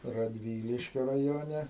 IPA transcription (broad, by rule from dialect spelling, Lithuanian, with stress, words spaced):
rɐdʲˈʋʲiːlʲɪʃʲkʲoː rɐˈjoːnʲɛ